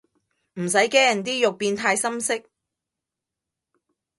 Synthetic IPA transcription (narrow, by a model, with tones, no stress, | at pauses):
m̩˨˩sɐ˨˥jke˥jɐ˨˩nt̪iː˥jʊ˨k̚piː˧nt̪ʰaː˧jsɐ˥msɪ˥k̚